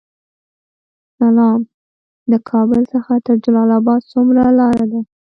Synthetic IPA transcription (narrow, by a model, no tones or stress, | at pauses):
salɑm | d̪əkʰɑbəlsəxat̪əɾd͡ʒalɑlabɑd̪̚t͡sumɾalɑɾad̪a